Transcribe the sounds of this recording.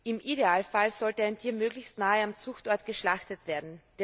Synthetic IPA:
ɪmʔideaːlfalz̥ɔltəaɪntʰiːɐmøːɡlɪçstnaːəamt͡suxtɔɐtɡ̥əʃlaxtətv̥eːɐdn̩d̥

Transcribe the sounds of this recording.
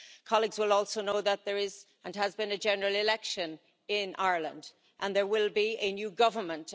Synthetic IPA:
kʰɑlˠiɡzwɪlɔlˠsoʊnoʊðət̪̚ðə˞ɪz | ə̃nəzbɨ̃nəd͡ʒɛnə˞əlˠɪlɛkʃə̃n | ɪ̃nʔaɪɹlə̰̃nd | ʔə̃nðə˞wɪlˠbiɨnjʉɡʌvə˞mə̃nt

